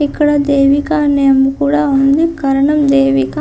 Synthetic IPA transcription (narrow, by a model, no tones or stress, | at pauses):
ikːɐɽɐd̪eːʋikaːnɐjɐmukuːɽaund̪ikɐɾɐɳɐmd̪eːʋika